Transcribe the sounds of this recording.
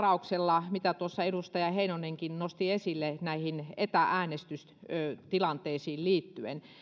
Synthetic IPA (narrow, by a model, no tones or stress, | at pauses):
rɑukselːɑmit̪æt̪uosːɑeɾust̪ɑjɑheinoneŋkinnost̪iesilːenæihinet̪æʔæːnest̪ys | t̪ilɑnt̪eːsiːlliːt̪ːyḛn